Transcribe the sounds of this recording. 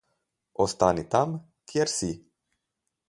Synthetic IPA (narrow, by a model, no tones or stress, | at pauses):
ɔst̪anit̪am | kjɛɾsi